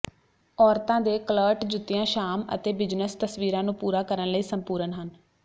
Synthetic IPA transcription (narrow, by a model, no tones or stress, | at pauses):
ɔːɾt̪ãːd̪eːkələːɾʈd͡ʒʊt̪ːɪjãːʃaːmə̰t̪eːbɪd͡ʒnəst̪əsʋiːɾãːnũːpuːɾaːkəɾənləiːsəmpuːɾənɦən